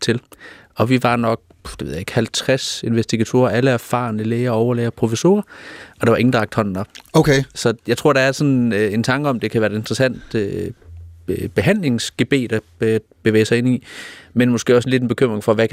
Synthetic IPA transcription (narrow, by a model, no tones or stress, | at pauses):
t͡sʰe̝l | ɒ̽ʋiʋɑ̈nɒ̽ɡ̥̚ | d̥e̝ʋeð̰ˠjeɡ̥hælt͡sʰʁase̝nʋesd̥iɡ̥æt͡sʰo̝̰ːɐæləæɐfɑ̰̈ːnəleːɐɒʊɐleɪɐpʰʁo̝fiso̝̰ːɐɒ̽d̥ɑ̈ʋɑ̈e̝ŋn̩d̥ʁɑɡ̚d̥hɒ̽n̰ːɒ̽b̥oʊkʰesɒ̽jɑɪt͡sʰʁo̝ɐ̰ɾ̥ɑ̈æɐsɒ̽ne̝nt͡sʰɑ̈ŋɡ̥əɒ̽md̥e̝kʰæʋæːɐɪd̥e̝nd̥ʁɐsæn̰d̥ | b̥e̝ɦæn̰le̝ŋsɡ̥e̝b̥e̝̰ːd̥æ | b̥e̝ʋḛːɪsɑɪe̝nimenmosɡ̥ḛːɒ̽sn̩le̝d̥en̩b̥e̝kʰøm̰ʁeŋfɒ̽ʋæk